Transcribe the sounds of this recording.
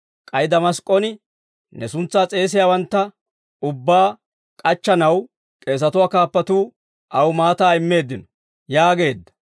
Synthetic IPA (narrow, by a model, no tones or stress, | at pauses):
kʼɐjd̪ɐmɐskʼːɔnɪ | nɛsʊnt͡sːaːt͡sʼe̞ːs̬ɪjaːwɐnt̪ːɐ | ʊbːaː | kʼɐt͡ʃːɐnɐw | kʼe̞ːs̬ɐt̪ʊwaːkaːpːɐt̪uː | ʔɐwmaːt̪aːɪmːe̞ːd̪ːɪnɔ̥ | jaːɡe̞ːd̪ːɐ̥